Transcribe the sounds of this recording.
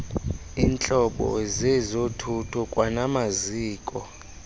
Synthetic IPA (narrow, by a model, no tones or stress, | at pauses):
iːnt͡ɬʼɔɓɔ̰zɛzotʰutʰukʼwanamaziːkʼɔ